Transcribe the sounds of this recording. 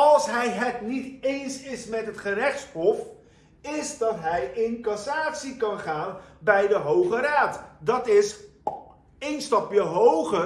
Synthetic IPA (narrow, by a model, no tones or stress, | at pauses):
ɑlˠsɦɛjɦətnitejnsɪsmɛtɦətχəɾɛχtshɔf | ɪsdɑtɦɛjɪnkɑsaːtsikɑnχaːnbɛjdəɦowχəɾaːtdɑtɪs | ejnstɑpjəɦowχə